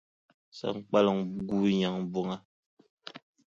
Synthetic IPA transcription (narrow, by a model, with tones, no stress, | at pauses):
sa̰˨ŋ̩˨k͡pa˦lɔ˨ŋɡu˦ɲa˨ŋb͡vo˦ŋa˦